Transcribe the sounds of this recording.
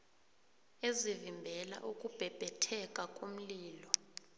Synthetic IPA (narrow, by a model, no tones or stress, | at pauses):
ezivimbʱɛla̰ʔukʼub̥ʱɛb̥ʱɛtʰɛkʼakʼom̩liːlɔ